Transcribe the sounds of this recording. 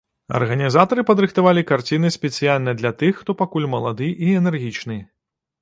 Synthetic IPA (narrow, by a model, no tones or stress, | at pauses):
ɐ̰rɣɐnʲizat̪ɐɾɨpɐd̪ɾɨxt̪avalʲikart͡sʲinɨsʲpʲɛsijalʲnɐjd̪lʲɐt̪ɨxːt̪ɔpakulʲmɐlˠad̪ɨʔiɛnɛrɣʲit͡ʂnɨ